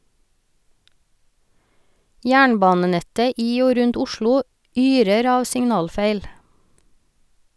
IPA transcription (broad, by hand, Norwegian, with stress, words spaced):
ˈjæːɳˌbɑːnəˌnɛtə ˈiː ˈoː ˈɾʉnt ˈʊʃɭʊ ˈyːɾəɾ ˈɑːʋ sɪŋˈnɑːlˌfeɪl